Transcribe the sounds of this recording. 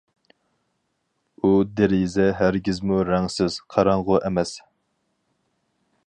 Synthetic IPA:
ud̪eɾizɛɦæɾɡʲizmuɾɛŋsɪz̥qʰɑɾɑɴʁʊʔɛmɛs

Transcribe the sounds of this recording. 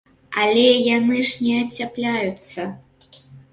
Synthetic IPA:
alʲɛjanɨʂnʲɛɐt͡sʲaplʲajut̪sːɐ

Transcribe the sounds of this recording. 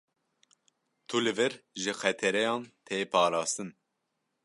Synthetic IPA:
t̪ʰulɨvɨɾʒɨxɛt̪ʰɛɾɛjɑːnt̪ʰeːpʰɑːɾɑːst̪ɨn

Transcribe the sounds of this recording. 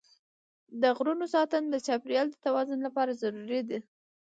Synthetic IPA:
d̪əɣɾunosɑt̪ənd̪ət͡ʃɑpɾjɑld̪ət̪awɑzʊnlapɑɾazaɾuɾid̪i

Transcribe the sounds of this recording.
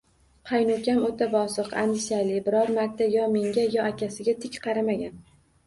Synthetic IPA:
qʰɑjnʊkʲamot̪ʰabɒsɨqand̪ɪʃalɪbɪɾɒɾmaɾt̪ʰːajɒme̞ŋɡʲajɒakʲʰasɪɡʲat̪ʰɪkʲqʰɑɾamaɡʲan

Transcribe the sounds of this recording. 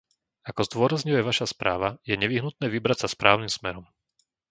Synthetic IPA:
akɔzd̪ʊɔɾazɲujɛʋaʃaspɾʔa̰ːʋajɛɲɛʋiɦnut̪̚nɛːʋibɾacsaspɾʔaːʊnimsmɛɾɔm

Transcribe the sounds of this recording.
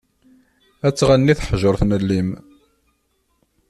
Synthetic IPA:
æt͡sːʁænːiθəħʒəɾθnəlːim

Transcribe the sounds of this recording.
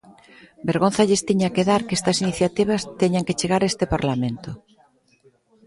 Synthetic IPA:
beɾɣonθaʎest̪iɲakeðaɾkest̪ɐsiniθjat̪iβ̞ast̪eɲaŋket͡ʃeɣaɾaest̪epaɾlamẽnt̪o

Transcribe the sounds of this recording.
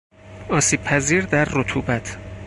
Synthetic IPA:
ɒːsiːb̥̚pʰæziːɾd̪æɾːot̪ʰuːbæt̪ʰ

